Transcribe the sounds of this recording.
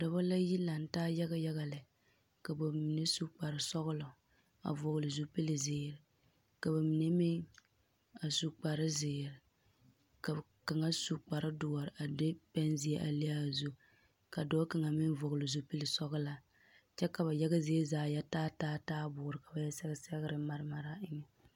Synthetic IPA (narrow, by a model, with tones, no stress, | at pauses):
da˨ba˦la˦ji˦la˨n˦taː˦ja˦ɡa˦ja˦ɣa˨lɪ˨ | ka˨ba˨mi˨ne˦su˦k͡pa˨ɾɨ˨sɔ˦ɣʊ˦lʊ˨ | a̰˨vɔ˨ɣʊ˨lɨ˨zu˦pi˦lɪ˨zɪː˨ɾɪ˨ | ka˨ba˨mi˨ne˦mɪ˦ŋ | a˨su˦k͡pa˨ɾɪ˦zɪː˨ɾɪ˨ | ka˨ka˨ŋa˦su˦k͡pa˨ɾɪ˦dʊ˨ɔ˨ɾɪ˨a˨dɪ˦pɛ˦nzɪ˦e˦ʔa̰˨li˦a˦˨zu˦ | ka˨dɔː˦ka˨ŋa˨mɪ˦nvɔ˨ɣlɨ˨zu˦pi˦lɪ˨sɔ˦ɣʊ˦la˨ | t͡ʃɛ˦ka˨ba˨jɛ˦ɡa˦zɪ˦e˦zaː˨jɛ˦taː˦taː˦taː˦bʊː˨ɾɨ˨ka˨ba˨jɛ˦sɛ˦ɣɪ˦sɛ˦ɣɪ˦ɾɨ˨ma˦ɾɨ˦ma˨ɾa˦ɪ˦ŋɛ˨